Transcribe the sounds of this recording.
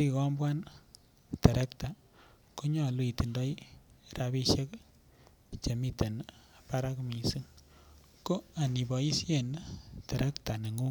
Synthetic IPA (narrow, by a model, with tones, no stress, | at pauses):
ɾi˦kɔ˦mbwa˦n | ta˨ɾʔe˦kta˨ | ko˦ɲɔ˨lu˨i˨ti˨ndɔ˦jɾaβi˦ʃe˦k | t͡ʃe˨mi˦te˨na˨pa˦ɾa˦kmi˨si˦ŋ | ko˦a˨ni˨bɔ˨i˦sje˦˨nta˨ɾe˦kta˨ne˨ŋu˦